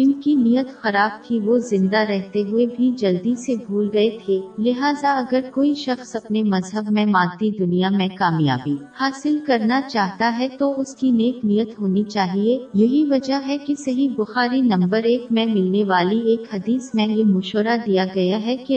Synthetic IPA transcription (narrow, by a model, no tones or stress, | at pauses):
ɪnkinijət̪xɐɾaːb̚t̪ʰiʋozɪ̃nd̪aɾɛɦt̪eɦʊebʱid͡ʒɐld̪isebʱuːlɡɐet̪ʰeːlɪɦaːzaɐɡəɾkoːiʃɐxsɐpnemɐzɦəbmẽmãːnt̪id̪ʊnijamẽkaːmja̰ːbiːhaːsɪlkɐɾnat͡ʃaːɦt̪aɦɛt̪oʊskineːknijət̪ɦoːnit͡ʃaːɦiejɐɦiʋɐd͡ʒəɦɛkisɐɦibʊxaːɾinɐ̃mbəɾeːkmẽmɪlneʋaːlieːkhɐd̪iːsmẽjemʊʃoɾad̪ijaɡɐjaɦɛki